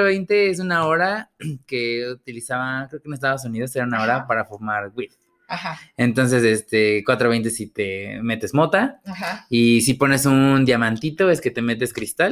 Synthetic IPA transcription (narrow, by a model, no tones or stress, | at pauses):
oβejnt̪ees̬unaoɾake̞ut̪ilisaβakɾeokeunes̬t̪aðos̬unið̞o̞se̞ɾaunao̞ɾapaɾafoɾmaɾɡwið | ahaent̪o̞ns̬e̞sest̪e̞kwat̪ɾoβejnt̪esit̪eme̞t̪e̞zmo̞t̪aaisipo̞ne̞sund̪jamãnt̪it̪o̞e̞ske̞t̪e̞me̞t̪̬e̞skɾist̪al